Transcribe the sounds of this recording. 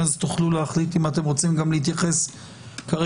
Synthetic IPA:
azt̪uχluleaχlit̪imat̪e̞mʁo̞t͡simɡamlehit̪jaχe̞s | kaʁe

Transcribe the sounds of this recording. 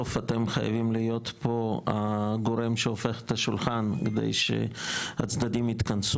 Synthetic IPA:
ofat̪emχa̰ja̰vimlijo̞t̪poa̰ɡoɾemʃeofeχe̥t̪aʃulχanked̪ḛjʃḛa̰t͡sd̪ad̪imit̪kɐns

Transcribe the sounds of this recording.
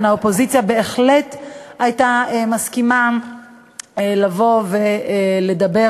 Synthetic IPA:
nhaopo̞zit͡sjabe̞eχletajtaemaskima | elavo̞ve̞le̞dabe

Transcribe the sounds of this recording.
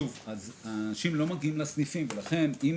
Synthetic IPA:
uvazaːnaʃimlo̞maɡiimlasnifimve̞laχe̞nim

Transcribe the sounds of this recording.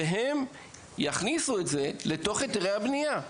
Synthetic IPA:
eɦe̞m | jaχnisue̞tze̞le̞to̞χet̪eʁejhabnija

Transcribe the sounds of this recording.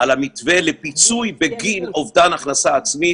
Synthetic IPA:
alamit̪velepit͡sujbeɡinovdanaχnasaːt͡smi

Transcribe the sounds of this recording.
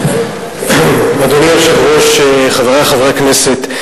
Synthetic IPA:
mad̪oniafʃaχʁoʃeχaveʁaχavʁakneset̪

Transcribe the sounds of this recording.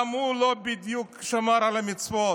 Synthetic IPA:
mulobid̪jukʃɐmaɾalɐmit͡so

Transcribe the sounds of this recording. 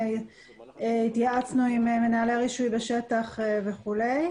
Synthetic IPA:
eit̪jaat͡snuimeme̞naːleʁiʃujbeʃe̞t̪aχve̞χule̞j

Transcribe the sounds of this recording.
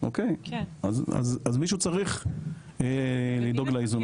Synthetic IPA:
ʔokeja̰za̰zazmiʃut͡saʁiχ | elid̪o̞ɡlaizun

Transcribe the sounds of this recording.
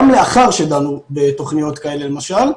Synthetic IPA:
mle̞aχaʁʃed̪anubet̪o̞χnijo̞t̪kae̞le̞le̞maʃal

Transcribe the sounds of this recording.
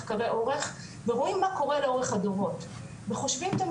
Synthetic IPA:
χkaʁeʔo̞ʁeχ | veʁoimːako̞ʁeleo̞ʁeχadovo̞t̪ | veχo̞ʃvimt̪am

